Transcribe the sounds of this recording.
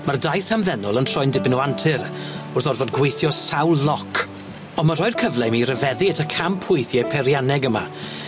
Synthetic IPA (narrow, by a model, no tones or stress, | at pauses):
mardajθamðɛnʊlˠəntʰrɔɨndɪbnuantʰɪɾʊrθɔdvoːdɡwejθjɔsawlˠlɔkʰ | ɔnmaɾɔɨrkʰəvlˠɛmiːɾəvɛðiətʰakʰampʰʊɨθjɛpʰɛɾjanɛɡəma̰